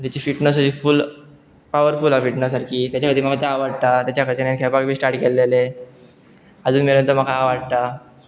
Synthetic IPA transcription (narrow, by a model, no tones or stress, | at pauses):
t̪at͡ɕiːfiʈnəs̬əd͡ʑiːful | paʋəɾfulafiʈnəsaɾkʰiːt̪jat͡ɕjakəd̪iːməɡat̪eɦaʋaɽ̚t̪at̪jat͡ɕjakʰəd̪inankʰɛpakbʱiːsʈaɾʈkelːele | əd͡zuːnmeɾənt̪əm̤əkʰaɦaʋaɽ̚t̪a